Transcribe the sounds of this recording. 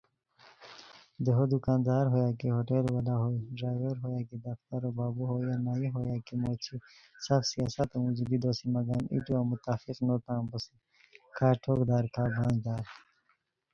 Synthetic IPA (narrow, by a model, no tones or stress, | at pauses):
d̪eɦod̪ukãːnd̪aːɾɦojaːkiɦoːʈelwɐlaɦoːiɖɾaːjʋɐɾɦoːjaːkid̪ɐft̪ɐɾobaːbuɦoːjanaːjiɦoːjaːkimoːt͡ɕʰi | sɐfsijaːsɐt̪ũzuɡid̪oːsimɐɡaːnʔḭʈuamut̪aːfiqnot̪ãːmbɐsi | kʰaːʈʰoːkd̪aːɾkʰaːbʱãːŋd̪aːɾ